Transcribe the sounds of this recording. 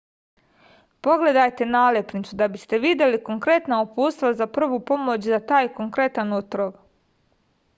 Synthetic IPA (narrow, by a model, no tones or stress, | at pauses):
po̞ɡle̞d̪ajt̪e̞naːlepnit̪sud̪abist̪e̞ʋid̪je̞liko̞ŋkɾe̞t̪naupuːst̪ʋazapr̩ʋupo̞mo̞t͡ɕzat̪aːjko̞ŋkɾe̞t̪anot̪ɾoɡ